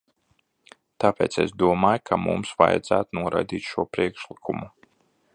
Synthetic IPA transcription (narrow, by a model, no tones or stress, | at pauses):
t̪aːpeːt̪sḛsd̪uɔmaːjkʰamṵmsva̰jad̪zæːt̪unuɔɾa̰jd̪iːt̪ʃuɔpɾiɛkʃlikʰumu